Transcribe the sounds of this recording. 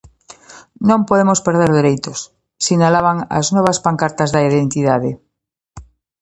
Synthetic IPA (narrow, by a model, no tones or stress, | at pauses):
nõmpoðemospeɾð̞eɾðeɾejt̪osː | inalaβaŋa̰znweβ̞aspaŋkaɾt̪azðaiðent̪iðaðe